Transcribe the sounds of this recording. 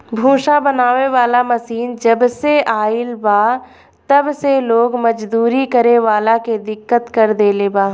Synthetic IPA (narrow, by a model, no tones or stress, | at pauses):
bʱũːʃabənaːʋeʋaːlamɐsiːnd͡ʒəbseʔaːɪlbaː | t̪ɐbseloːɡmɐd͡ʒd̪uːɾikəɾeʋaːlaked̪ɪkːət̪kəɾd̪eːlebaː